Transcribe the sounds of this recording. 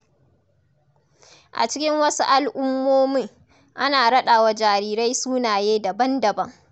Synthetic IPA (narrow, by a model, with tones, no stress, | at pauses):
ʔa̰˨t͡ʃɪ˦kʲɪ˦ŋwɐ˦su˦ʔa˨lʔʊ˦mːoː˦mɪ˦ŋ | ʔa˦naː˨ɽɐ˦ɗaː˨wa˦d͡ʒaː˨ɾiː˦ɾa˦jsuː˦naː˨jeː˦dɐ˨bɐ˦ndɐ˨bɐ˦ŋ